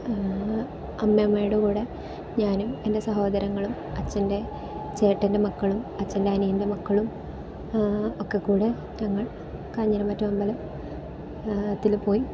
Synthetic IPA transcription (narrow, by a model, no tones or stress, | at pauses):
ɐmːjemaːjiɽukuːɽe | ɲaːnume̞nde̞sɐɦo̞ːd̪ɐɾɐŋːɐɭum | ɐt͡ɕːɐnde̞ | t͡ɕe̞ːʈːɐnde̞mɐkːɐɭumɐt͡ɕːɐndeɦɐnijinde̞mɐkːɐɭum | okːekːuːɽe | ɲɐŋːɐɭ | kɐːɲːɐɾɐmɐtːɐmɐmbɐlɐm | t̪ːilpo̞ːji